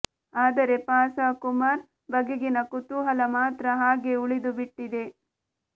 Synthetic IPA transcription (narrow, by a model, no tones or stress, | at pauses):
aːd̪ɐɾe̞paːsaːkumaːɾ | bɐɡeɡinɐkut̪uɦɐlɐmaːt̪ɾɐɦaːɡe̞uɭid̪ubiʈːid̪e̞